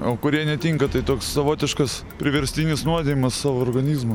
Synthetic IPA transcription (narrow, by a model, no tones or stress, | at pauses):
oːkʊɾʲiɛnʲɛt̪ʲiːŋkɐt̪ɐɪt̪oːksːɐʋoːt̪ʲɪʃkɐs | pʲɾʲɪʋʲɛɾʲsʲt̪ʲinʲɪsnuɔd̪ʲeʋʲɪmɐssɑːʋoːɾɡɐnʲiːzmɐ